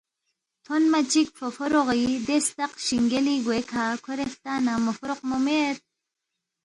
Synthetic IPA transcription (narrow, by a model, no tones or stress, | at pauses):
t̪ʰonmat͡ʃikfʰofoɾoʁid̪est̪aqʃiŋɡeliɡwekʰakʰoɾeft̪aːnamofɾoqmomeɾ